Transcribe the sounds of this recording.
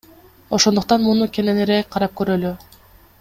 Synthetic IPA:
o̞ʃo̞nd̪uq̚t̪ɑnmunukʲʰe̞neneɾekʲqʰɑɾɑp̚køɾøly

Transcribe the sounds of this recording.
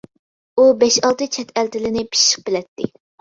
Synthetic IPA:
ubɛʃɑlˠt̪ɨt͡ʃʰɛt̪ʰælt̪ɪlɪnɪpʰi̥ʃə̥q̚bɪlɛt̪ːɪ̰

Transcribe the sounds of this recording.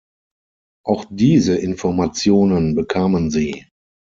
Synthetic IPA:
ʔaʊxd̥iːzəʔɪnfɔɐmat͡sjoːnənbəkʰaːmənziː

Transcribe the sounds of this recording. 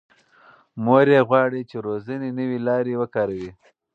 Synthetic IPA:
moɾeɣwɑːɽit͡ʃeɾozənenəwilɑːɾewəkɑɾawi

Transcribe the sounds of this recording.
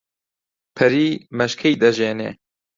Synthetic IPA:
pʰɨɾiːmɛʃkʰɛjd̪ɐʒeːnḛː

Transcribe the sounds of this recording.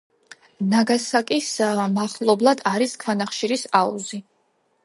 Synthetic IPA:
naɡasakʼismaχlˠɔblˠad̪aɾiskʰwanaχʃiɾisaṵzi

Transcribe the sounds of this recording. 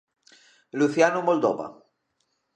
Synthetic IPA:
luθjanumold̪o̰βa̰

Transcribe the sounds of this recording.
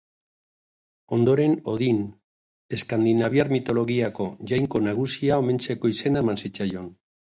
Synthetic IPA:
o̞nd̪o̞ɾe̞no̞ðin | e̞skand̪inaβjaɾmit̪o̞lo̞ɣiako̞ʝajŋko̞naɣ̞usiao̞me̞nt͡se̞ko̞ise̞naemansit͡sajo̞n

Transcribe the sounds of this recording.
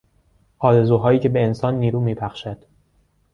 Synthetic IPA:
ʔɒːɾe̞zuːɦɒːjiːcʰe̞be̞ːnsɒːnːiːɾuːmiːpʰæxʃæd̪̥

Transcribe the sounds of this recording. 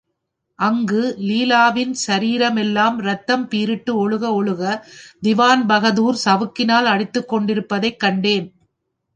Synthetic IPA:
ʔɐŋɡɯliːlaːʋɪnsɐɾiːɾɐmɛlːaːmɾɐt̪ːɐmpiːɾɪʈːɯɔɭɯɣɐɔɭɯɣɐd̪ɪʋaːnbɐɣɐðuːɾsɐʋɯkːɪnaːlɐɽɪt̪ːɯkːɔɳɖɪɾɯpːɐðɐɪkːɐɳɖeːn

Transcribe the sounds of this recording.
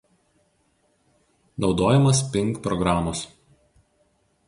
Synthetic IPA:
nɒʊd̪oːjɛmɐspʲɪŋˑkpɾɔɡɾaːmos

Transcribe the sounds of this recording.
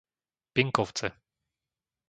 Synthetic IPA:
piŋkɔwt͡sɛ

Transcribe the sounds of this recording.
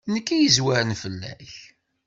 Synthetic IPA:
nəkːæjəzwæɾənfəlːæ̰ç

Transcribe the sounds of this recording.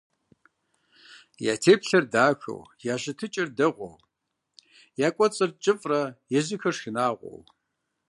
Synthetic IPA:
ja̰ːtʰeːpɬɐrdaːxɐ̰wjaːɕɪtʰɨt͡ʃʼɪrdɐʁʷɔ̰w | jaːkʷʼɔt͡sʼɨrt͡ʃʼɨfʼrɐjɛzɨxɐrʂxɪnaːʁʷɔ̰w

